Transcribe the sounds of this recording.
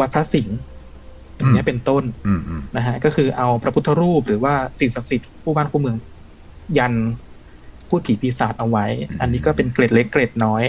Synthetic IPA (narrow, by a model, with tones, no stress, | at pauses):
wa˦˥t̪̚pʰa˦˥si˨˩˦ŋ | a˨˩mi˦˥˩pe˧nt̪o˥˩nna˦˥kʰa˦˥ʔkɔː˥˩kʰɯː˧ʔa˧wpɾa˧pʰu˦˥t̪ʰːa˧ɾuː˥˩p̚ɾɯː˩˦waː˥˩si˨˩˦ŋsa˨˩k̚si˨˩t̪̚pʰuː˥˩baː˥˩nkʰuː˥˩mɯ˧əŋ | ja˧n | pʰuː˥˩pʰiː˩˦pʰiː˨˧saː˨˩t̪̚ʔa˧wa˦˥jʔa˧nːiː˦˥kɔː˥˩pe˧nkle˨˩t̪̚le˦˥kːle˨˩t̪̚nɔː˦˥j